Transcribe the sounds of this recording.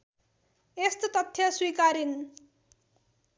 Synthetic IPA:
est̪ot̪ʌt̪ʰːjʌswikaɾin

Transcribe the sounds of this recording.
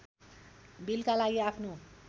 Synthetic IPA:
bilkalaɡiapʰno

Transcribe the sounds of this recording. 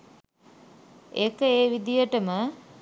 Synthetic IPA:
ekəeːʋid̪ijəʈəmə

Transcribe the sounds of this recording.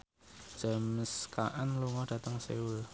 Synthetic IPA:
d̥ʒ̥ə̤məskaʔanluŋɔɖ̥ä̤t̪əŋsḛul

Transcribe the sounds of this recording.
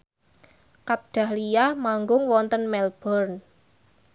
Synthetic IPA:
kaɖ̥a̤hlijahmaŋɡʊŋwɔnt̪ənmɛlb̥ɔrn

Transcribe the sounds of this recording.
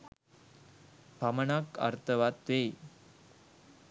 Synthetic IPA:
pamənaka̰ɾt̪ʰəʋat̪ːej

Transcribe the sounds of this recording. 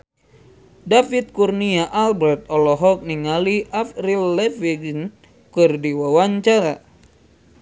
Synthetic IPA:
dafit̪̚kurniaʔalbɾɛrt̪̚ɔlɔɦɔk̚niŋaliʔafrilːɛfiɡn | kɨrdiwawaɲt͡ʃaɾa

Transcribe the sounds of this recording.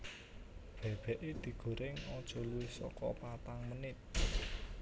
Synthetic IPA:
b̥ɛ̤b̥ɛ̤ʔed̪̥i̤ɡ̥o̤ɾɪŋɔd̥ʒ̥ɔ̤luwɪhsɔ̰kɔpat̪aŋmənɪt̪̚

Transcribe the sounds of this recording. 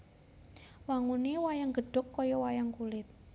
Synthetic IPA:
waŋuniwajaŋɡə̤ɖ̥ʊ̤kːɔjɔwajaŋkulɪt̪̚

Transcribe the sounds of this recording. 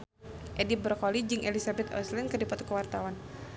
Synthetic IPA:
ʔedibɾɔkɔlid͡ʒɨŋʔelisabɛt̪ɔ̰slɛnkədipɔt̪ɔ̥kəwart̪awan

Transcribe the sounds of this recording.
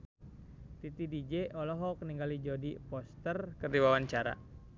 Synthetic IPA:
t̪it̪idid͡ʒeʔɔlɔɦɔkniŋɡalid͡ʒodipɔst̪ərkərdiwawaɲt͡ʃaɾa̰

